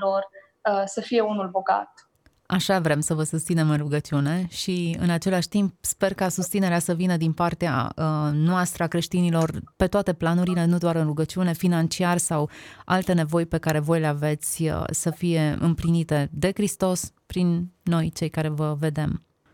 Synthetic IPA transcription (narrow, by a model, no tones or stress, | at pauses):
lor | əsəfije̞unulbo̞ɡa̰t̪̚ | aʃavɾe̞msəvəsust̪sine̞mɨnruɡət͡ʃiune̞ʃiɨ̰nat͡ʃe̞laʃt̪imp̚spe̞rkasust̪sine̞ɾeasəvinəd̪inpart̪ea̰ənoast̪ɾəakɾe̞ʃt̪inilo̞rpe̞t̪oat̪e̞planuɾile̞nud̪oaɾɨnruɡət͡ʃiune̞finant͡ʃiarsawa̰lt̪e̞ne̞vo̞jpe̞kaɾe̞vo̞jleave̞t̪sʲə̰səfije̞ɨ̰mplinit̪e̞d̪e̞kɾist̪o̞s | pɾinːo̞jt͡ʃe̞jkaɾe̞vəve̞d̪e̞m